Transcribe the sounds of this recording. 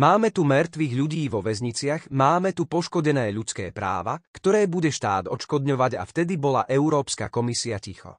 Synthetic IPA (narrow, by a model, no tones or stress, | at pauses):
maːmɛt̪umɛɾt̪ʋiɣʎuɟiːʋɔʋɛzɲit͡sɪaɣmaːmɛt̪upɔʃkɔɟɛnɛːʎut͡skɛ̰ːpɾa̰ːʋa̰kt̪ɔɾɛːbuɟɛʃt̪aːd̪ɔt͡ʃkɔd̪ɲɔʋaɟa̰ft̪ɛd̪ibɔla̰ʔɛuɾɔːpska̰kɔmisiacixɔ̰